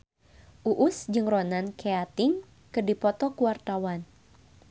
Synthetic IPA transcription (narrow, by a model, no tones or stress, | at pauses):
ʔuʔʊsd͡ʒɨŋronankeat̪ɪŋ | kɨrdipɔt̪ɔkuwart̪awan